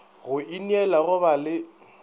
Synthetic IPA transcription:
ɣʊinɛlaɣʊβalɪ

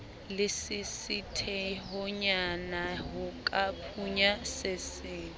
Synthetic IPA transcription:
lɪsɪsitʰɛɦʊɲanaɦʊkʼapʰʼuɲasɪsɪːn

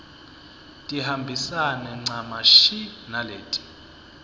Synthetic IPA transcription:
tʼihambʱisanɛŋ͡ǀamaʃinaleːtʼi̥

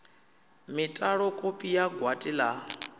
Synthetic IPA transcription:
mitʼaɺɔkʼopʼijaɡʱwatʼila

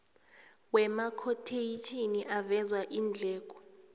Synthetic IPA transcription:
wɛmakʰotʰejit͡ʃʼʰiniʔavɛzwaʔiːnd͡ɮʱɛːk̬ʼɔ̥

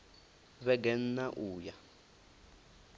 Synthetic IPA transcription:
βɛɡɛn̩naʔuːja

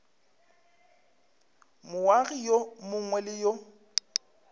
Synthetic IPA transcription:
mʊwaɣijomʊŋwɛlɪjo

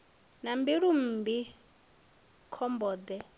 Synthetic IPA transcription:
nambiɺum̩ːbi | kʰɔmbɔːd̪ɛ

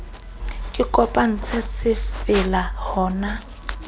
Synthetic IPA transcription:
kʼɪkʼɔpʼaŋ̩t͡sʰɛsɪfɪlahɔːna

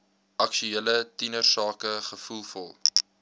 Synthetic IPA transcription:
ɐkʃyelətinərsɑːkəχəfulˠfɔ̰lˠ

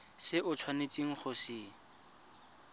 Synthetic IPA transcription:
sɪʔʊt͡sʰwanet͡sʼiŋ̩χʊsɪ

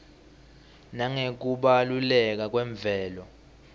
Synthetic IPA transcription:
naŋek̬uɓalulɛk̬ak̬wɛɱb̪vʱɛːlɔ

